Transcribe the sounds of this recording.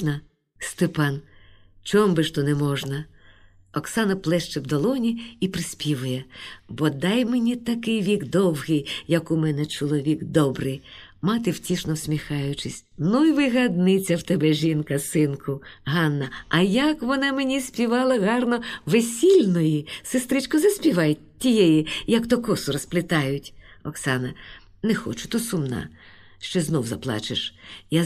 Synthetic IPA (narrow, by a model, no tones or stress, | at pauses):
nɐ | st̪ɪpɑn | t͡ʃɔmbɪʃt̪ɔnɛmɔʒnɐ | ɔksɑnɐplˠɛʃt͡ʃɪwd̪ɔlˠɔnʲiipɾɪsʲpʲiʋʊjɛbɔd̪ɑjmenʲit̪ɐkɪjʋʲiɡd̪ɔwɦɪjjɐkʊmɛnɛt͡ʃɔlˠɔʋʲiɡd̪ɔbɾɪj | mɑt̪ɪwtʲiʃnɔwsʲmʲixɑjʊt͡ʃɪsʲ | nuiʋɪɦɐd̪nɪt͡sʲɐwt̪ɛbɛʒʲinkɐsɪnkʊɦɑnːɐɐjɐkʋɔnɑmenʲisʲpʲiʋɑlˠɐɣɑrnɔʋesʲilʲnɔjisɪst̪ɾɪt͡ʃkɔzɐsʲpʲiʋɑjʲ | tʲːijɛjijɐkt̪ɔkɔsʊɾɔsplˠɪt̪ɑjʊtʲɔksɑnɐ | nɛxɔ̰t͡ʃʊ̥t̪ɔsʊmnɑ̰ | ʃt͡ʃɔznɔwzɐ̰plˠɑ̰t͡ʃɪʃja